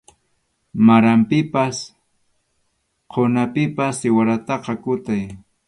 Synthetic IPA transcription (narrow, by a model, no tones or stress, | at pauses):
maɾampɪpas | qʰonapɪpasɪwaɾat̪ɑqɑkʊt̪aj